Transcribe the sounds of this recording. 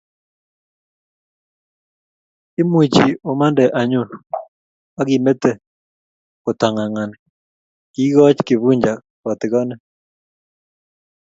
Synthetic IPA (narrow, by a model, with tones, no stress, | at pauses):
ɪ˦mwi˨t͡ʃi˨o˨ma˦ndɛ˨ʔa˨ɲu˦˨n | a˦ɡi˨me˦t̪e˦ | ko˨t̪a˨ŋa˨ŋa˨nɪ˨ | ki˦ɡɔ˦t͡ʃkɪ˨vu˦ɲd͡ʒa˨ | kɔ˨t̪ɪ˨ɡɔ˦nɛ˦